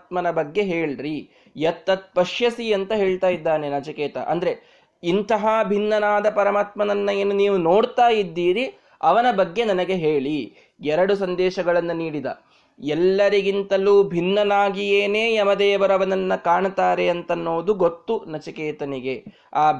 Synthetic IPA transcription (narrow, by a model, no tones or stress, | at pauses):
t̪mɐnɐbɐɡːe̞ɦe̞ːɭɾi | jɐt̪ːɐt̪̚pɐʃjɐsiɐnt̪ɐɦe̞ːɭt̪aːjid̪ːaːne̞nɐt͡ʃɐkeːt̪ɐ̰ʔɐ̰nd̪ɐɾe | int̪ɐɦabʱinːɐnaːd̪ɐpɐɾɐmaːt̪mɐnɐnːɐeːnːuniːʋuno̞ːɽt̪aːjid̪ːiːɾi | ɐʋɐnɐbɐɡːe̞nɐnɐɡe̞ɦeːɭi | ɛɾɐɽusɐnd̪ɛːʃɐɡɐɭɐnːuniːɽid̪ɐ̰ | ɛlːɐɾiɡint̪ɐluːbʱinːɐnaːɡijeːneːɐmɐd̪ɛːʋɐɾɐʋɐnɐnːɐkaːɳt̪aːɾeɐnt̪ɐnːoːd̪uɡot̪ːunɐt͡ʃɐkeːt̪ɐniɡe̞ | aː